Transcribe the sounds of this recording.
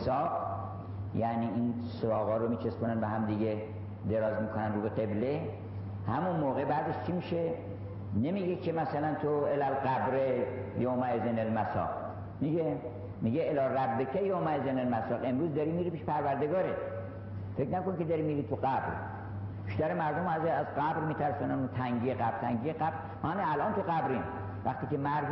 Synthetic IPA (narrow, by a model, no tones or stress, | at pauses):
sɒːb | jæniʔin | soɾɒːɣɒːɾomiːt͡ʃʰeskonænbeɦæmd̪iɡe | d̪e̞ɾɒːzmiːkʰonænɾuːbeqe̞ble | hæmunmoːɣebæːzeʃt͡ʃʰimiːʃe | nemiɟekʰemæsælænt̪ʰoelælɢæbɾe | jomæezenelmæsɒ̰ːq | miɟe | miɡeelɒːræbːekʰæjomæezenelmæsɒːqe̞mɾuːzd̪ɒɾimiːɾipiːʃpʰæɾvæɾd̪eɡɒːɾet̪ | fe̞knækoniked̪ɒɾimiɾit̪ʰuɢæbɾ | b̥iʃt̪æɾemæɾd̪omæzeæzɢæbɾmiːt̪ʰæɾsunænot̪ʰæŋɡijeqæbɾt̪ʰæŋɟijeqæbɾ | mɑniælʔɒːnt̪ʰuɣæbɾin | væxt̪iːkemæɾ